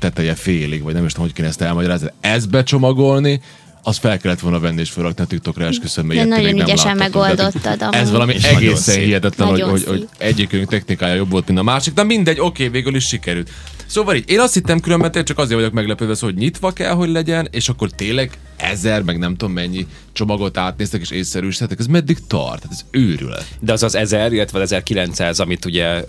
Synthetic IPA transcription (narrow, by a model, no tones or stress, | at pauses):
t̪ɛt̪ɛjɛfeːliɡʋɒɟnɛmiʃt̪omho̞c̚keːnɛst̪ɛlmɒɟɒɾaːzniɛzbɛt͡ʃo̞mɒɡo̞lni | ɒst̪fɛlkɛlːɛt̪ʋo̞lnɒvɛnːieːʃfølːɒkniɒt̪ik̚t̪o̞kraɛʃkøsønmɛɛnɒoɡnynɛɛlaːɛmːɛɡ̪old̪ot̪ːɒd̪ɛzʋɒlɒmiɛɡeːssɛnɦijɛt̪ɛt̪lɛnohoɟhoɟɛɟːikøŋk̚t̪ɛxnikaːjɒjo̞bvo̞lt̪mint̪ɒmaːʃik̚d̪ɛmind̪ɛɟːo̞keːveːɡyliʃʃikɛɾylt̪ | soːvʋɒliːɟeːnɒst̪hit̪ːɛmkylømbɛnt̪et͡ʃɒkɒzeːɾvɒɟjo̞kmɛɡlɛpøːt̪vɛsoloɟɲit̪ʋɒkɛ̰lɦo̞ɟlɛɟɛneːʃɒkːo̞rt̪eːnlɛɡ | ɛ̰zɛrmɛɡnɛmt̪oːmːɛɲːi | t͡ʃo̞mɒɡo̞t̪aːt̪neːst̪ɛkeːʃeːsːɛɾyːʃt̪ɛt̪ːɛkɛzmɛd̪ːikt̪ɒ̰rt̪ːaːt̪ɛzøːɾy̰lɛ̰d̪ɛɒzɒzɛzɛɾilːɛt̪ʋɛɒzɛzɛrkilɛnt̪sa̰ːzɒmit̪uɟɛ